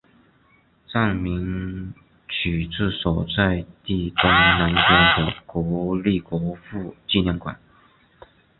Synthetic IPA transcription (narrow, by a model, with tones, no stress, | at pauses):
t͡sa˥˩ŋmi˧˥ŋ | t͡ɕʰy˨˩t͡sɹ̩˥˩sɔ˨˩ʊt͡sa˥˧ɪt̪i˥˩t̪o˥˧na˧˥nkɔ˧˥d̪ə˧˩kwɔ˧˥li˥˩kwɔ˧˥fu˥˧t͡ɕi˥˧njɛ˥˩nkwa̰˨˩˦n